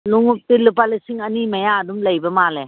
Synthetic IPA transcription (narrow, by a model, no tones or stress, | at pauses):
luŋup̚tilup̬alisiŋɐnimɐjaːdumlɐjbɐmale